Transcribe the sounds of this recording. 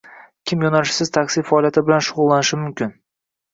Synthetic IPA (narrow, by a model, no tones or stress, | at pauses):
kʲʰɪmjɒnalɪʃsɪz̥t̪ʰakʲsɪfaɒlˠijat̪ʰɪbɪlanʃʊʁʊlˠːanɪʃɪmʊmkʲɪn